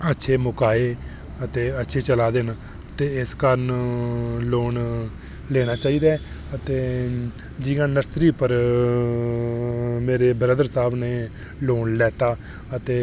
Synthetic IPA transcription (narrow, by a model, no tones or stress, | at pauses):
ətːʃʰeːmʊkaːeː | ət̪eːətːʃʰeːt͡ʃəlaːd̪en | t̪eːɪskəɾən | loːn | lɛːɽ̃aːt͡ʃaːiːd̪aː | ət̪eː | d͡ʒiɡãːnəɾsɾiːpəɾ | meːɾeːbɾəd̪əɾsaːbneː | loːɳlɛːt̪aː | ət̪eː